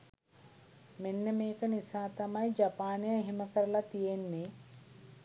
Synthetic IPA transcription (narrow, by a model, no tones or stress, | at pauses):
menːemeːkɐnisaːt̪ɐmɐjd͡ʒɐpaːnijɐɦimɐkɐɾɐlɐt̪ijenːi